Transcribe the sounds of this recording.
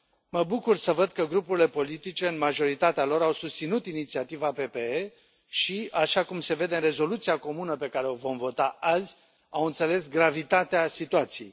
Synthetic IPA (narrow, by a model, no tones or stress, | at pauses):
məbukursəvəd̪kəɡɾupuɾile̞po̞lit̪it͡ʃe̞ɨnmaʒo̞ɾit̪at̪ealo̞ɾawsust̪sinut̪init̪siat̪ivape̞pe̞e | ʃiaʃakumse̞ve̞d̪e̞ɨnre̞zo̞lut̪siako̞munəpe̞kaɾe̞o̞vo̞mvo̞t̪aazʲ | awɨnt̪se̞le̞sɡɾavit̪at̪easit̪uat̪sijej